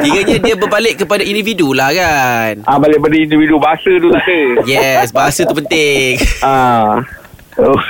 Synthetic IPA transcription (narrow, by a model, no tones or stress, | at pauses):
t̪iɡaɲãdiabəbalɪʔkəpadaindividulahkanʔabalɪʔ̚badaindividubaɦasədut̪ut̪əjɛsbaɦasət̪upənt̪ɪŋa | o